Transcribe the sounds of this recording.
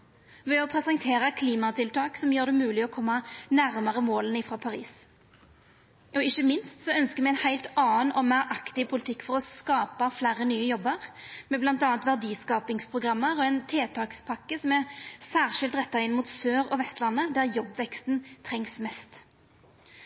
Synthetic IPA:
ʋɛɔpʰʁɛsɛŋt̪ʰeːʁəkʰliːmɑt̪ʰɪlt̪ʰɑːksɔmjøːʁd̪ɛmʉːlɪɔkʰɔmːɑnæʁmɑʁəmoːlənəɪfʁɑːpʰɑʁḭːs | ʔɔɪçəmɪnst̪sɔœnskəmɛɛnhæɪlt̪ɑːnɔmæɾʔɑkt̪ɪpʰʊlɪt̪ʰɪkːfɔʁɔskɑːpɑflæːɾənyːəjɔbːəʁmɛblɑnt̪ɑːɑnt̪ʋæʁd̪iːskɑːpɪŋspʰʁʊɡʁɑmːəʁɔɛnt̪ʰeːt̪ʰɑːkspʰɑkːəsɔmæʁsæːʁʂɪlt̪ʁɛt̪ːɑɪnmuːt̪søːɾɔʋɛst̪lɑnːəd̪æʁjɔbːʋɛkst̪nt̪ʰʁɛŋsmɛst̪

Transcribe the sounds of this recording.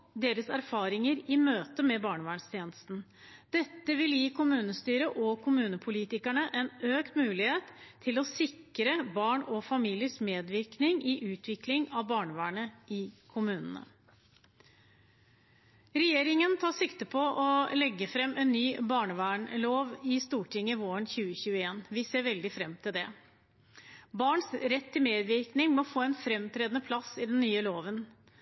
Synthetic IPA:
d̪eːɾəsæɾfɑːɾɪŋəɾɪmøːt̪əmɛbɑːɳəʋæːɳst̪ʰjeːnəst̪n̩d̪̥ɛt̪ːəʋɪljiːkʰʊmʉːnəst̪yːɾəʔɔkʰʊmʉːnəpʰʊliːt̪ɪkæɳəʔɛnøːkt̪mʉːlɪheːt̪ʰːɪlɔsɪkɾəbɑːɳɔfɑmiːlɪəʂmeːd̪ʋɪɾknɪŋʔɪʔʉːt̪ʰʋɪklɪŋɑʋbɑːɳəʋæːɳəɪkʰʊmʉːnə̰n̩ə̰ | ɾɛjeːɾɪŋənt̪ʰɑːʂɪkt̪əpʰɔʔɔlɛɡːəfɾɛmːɛnːyːbɑːɳəʋæːɳloːʋɪst̪uːʈɪŋːəʋoːəɳçʉːəçʉːəeːnʋɪseːɾʋɛld̪ɪfɾɛmːt̪ʰɪld̪ɛ | bɑːɳsɾɛt̪ʰːɪlmeːd̪ʋɪɾknɪŋmɔfoːɛnfɾɛmt̪ʰɾeːd̪nəpʰlɑsɪd̪ɛnnːyːəloːʋən

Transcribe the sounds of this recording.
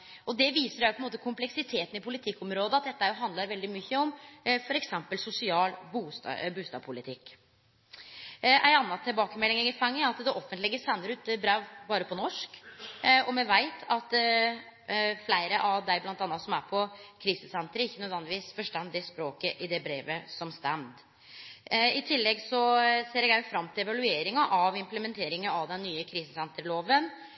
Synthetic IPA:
ɔd̪ɛʋiːsəɾæʊpɔɛnmoːt̪əkʰʊmplɛksɪt̪ʰeːt̪n̩ɪpʰʊlɪt̪ʰɪkːɔmɾoːd̪əɑt̪̚d̪ɛt̪ːəæɾjʊɦɑnd̪lɑɾʋɛld̪ɪmyçːəɔmfɔɾɛksɛmpəlsʊsɪɑːlbuːsbuːst̪ɑ̰ːpʰʊlɪt̪ʰɪkː | ʔæ̰ɪnɑnːɑt̪ʰːɪlbɑːkəmɛlːɪŋəŋɪfɑŋːəɑt̪d̪ɛʔɔfːənt̪lɪɡəsɛnːəɾʉːt̪əbɾæʋbɑːɾəpʰɔnɔʂk | ɔmɛʋæɪt̪ʰɑt̪ | flæɪɾəʔɑʋd̪æɪblɑnt̪ɑnːɑt̪sɔmæɾpʰɔkʰɾiːsəsɛnt̪əɾəɪçːənød̪ʋɛnd̪ɪʋiːsfɔʂʈɛnd̪ɪspɾoːkəʔɪd̪ɛbɾeːʋəsɔmst̪ɛmt̪ | ɪt̪ʰɪlːɛɡsɔseːɾɛɡæfɾɑmːt̪ʰɪlɛʋɑlʉeːɾɪŋɑʔɑʋɪmpləmɛnt̪ʰeːɾɪŋəɑʋd̪ɛnːyːəkʰɾiːsəsɛnt̪əɾloːʋən

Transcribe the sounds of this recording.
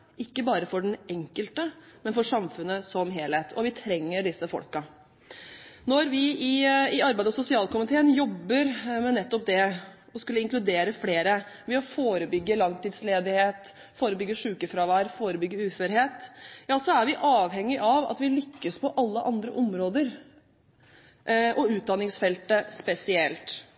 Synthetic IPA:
ʔɪkːəbɑːɾəfɔɖɛnɛŋkəlt̪əmɛnfɔʂɑmfʉnːəsɔmɦeːlheːt̪ʰɔʋɪt̪ʰɾɛŋːəɖɪsəfɔ̰lkɑ | nɔɾʋɪɪɪɑɾbæɪd̪ɑsʊsɪɑːlkʊmɪt̪ʰeːənjɔbːəɾmɛnɛt̪ːɔp̚d̪ɛ | ɔskʉlːəɪŋklʉd̪eːɾəfleːɾəʋɛɔfoːɾəbʏɡːəlɑŋt̪ɪd̪sleːd̪ɪheːt̪ | foːɾəbʏɡːəʂʉːkəfɾɑːʋæːɾfoːɾəbʏɡːəʉːføɾheːt̪jɑːsɔæɾʋɪʔɑːʋhɛŋːɪʔɑʋɑ̰t̪ʋɪlʏkːəspɔʔɑlːəʔɑnd̪ɾə̰ʔɔmɾoːd̪əɾ | ʔʔɔʉːt̪̚d̪ɑnɪŋsfɛlt̪əspɛsɪɛlt̪

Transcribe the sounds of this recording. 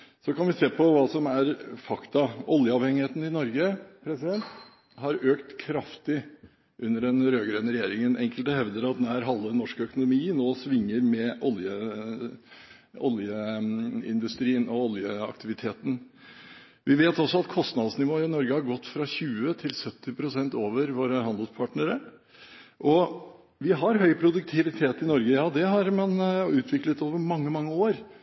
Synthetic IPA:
sɔkʰɑnʋɪseːpʰɔʋɑːsɔmæɾfɑkt̪ɑɔljəɑʋhɛŋɪheːt̪n̩ɪnɔɾɡəpʰɾɛsɪd̪ɛnt̪ | hɑɾøːkt̪kʰɾɑft̪ɪ | ʔʉnːəɖɛnɾøːɡɾœːnəɾɛjeːɾɪŋənʔɛŋkəlt̪əhɛʋd̪əɾɑt̪̚d̪æɾɦɑlːənːɔʂkəœkʊnʊmiːnoːsʋɪŋːəɾmɛʔɔljə | ɔ̰ljə | ɪ̰nd̪ʉst̪ɾiːənɔɔljəɑ̰kt̪ɪʋɪt̪ʰeːt̪ən̩ | ʋɪʋeːt̪ɔsːɔɑt̪kʰɔst̪nɑd̪snɪʋoːɪnɔɾɡəhɑɾɡɔt̪ːfɾɑçʉːət̪ʰɪlsœt̪ːɪpʰɾʊsɛnt̪oːʋəɾʋoːɾəɦhɑnd̪əlspʰɑːʈnəɾə | ʔɔ | ʋɪɦɑɾɦœʏpʰɾʊd̪ʉk̚t̪ʰɪʋɪt̪ʰeːt̪ɪnɔɾɡəjɑːd̪ɛɦɑɾmɑnʉːt̪ʰʋɪklət̪oːʋəɾmɑŋːəmɑŋːəoːɾ

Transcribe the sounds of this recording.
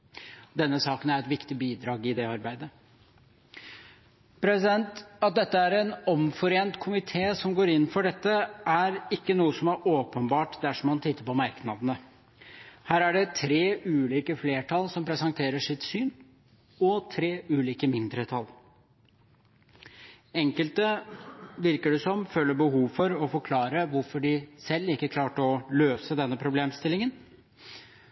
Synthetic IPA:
d̪ɛnːəsɑːkənæɾɛt̪ʋɪkt̪ɪbiːd̪ɾɑːɡɪd̪ɛɑɾbæɪd̪ə | pʰɾɛsɪd̪ɛnt̪ɑt̪̚d̪ɛt̪ːəæɾɛnɔmfɔɾeːnt̪kʰʊmɪt̪ʰeːsɔmɡoːɾɪnːn̩fɔɖɛt̪ːəæɾɪkːənuːəsɔmæɾoːpənbɑːʈd̪æʂɔmːɑnt̪ʰɪt̪ʰːəɾpʰɔmɑɾknɑd̪ənə | hæːɾæɖɛt̪ʰɾeːʔʉːliːkəfleːʈʰɑlsɔmpʰɾɛsɑŋt̪ʰeːɾəʂɪt̪syːn | ɔt̪ʰɾeːʔʉːliːkəmɪnd̪ɾət̪ʰɑl | ɛŋkəlt̪ə | ʋɪɾkəɖɛsɔmføːləbəhuːʋfɔɾɔfɔɾkʰlɑːɾəʋʊɾfɔɖɪsɛlːɪkːəkʰlɑːʈəɔløːsəd̪ɛnːəpʰɾʊbleːmst̪ɪlɪŋən

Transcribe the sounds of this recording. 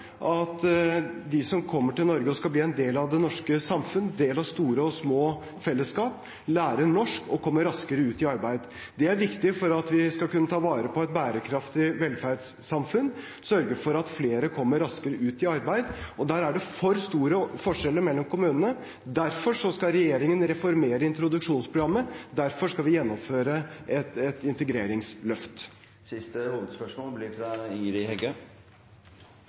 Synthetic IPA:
ʔɑt̪d̪ɪsɔmkʰɔmːəʈɪlnɔɾɡəɔskɑlbliːɛnd̪eːlɑʋd̪ɛnɔʂkəsɑmfʉnd̪eːlɑʋst̪uːɾəɔsmoː | fɛlːəskɑːp | læːɾəɳɔʂkɔkʰɔmːəɾɑskəɾəʉːt̪ɪɑɾbæɪd̪ | d̪ɛæɾʋɪkt̪ɪfɔɾɑt̪ʋɪskɑlkʉnːət̪ʰɑːʋɑːɾəpɔɛt̪̚bæːɾəkʰɾɑft̪ɪʋɛlfæɾɖsːɑmfʉn | sœɾɡəfɔɾɑt̪fleːɾəkʰɔmːəɾɑskəɾəʔʉːt̪ɪɑɾbæɪd̪ɔd̪æːɾæɖɛfɔɾst̪uːɾəfɔʂɛləɾmɛlːɔmkʰʊmʉːnənə | d̪æɾfɔʂɔskɑlɾɛjeːɾɪŋənɾɛfɔɾmeːɾəɪnt̪ɾʊd̪ʉkʂuːnspʰɾʊɡɾɑmːəd̪æɾfɔʂkɑlʋɪjɛnːɔmføːɾəʔɛt̪ɛt̪ɪnt̪əɡɾeːɾɪŋslœft̪ | sɪst̪əhuːʋəd̪spœʂmoːlblɪfɾɑiːɾɪhɛɡø

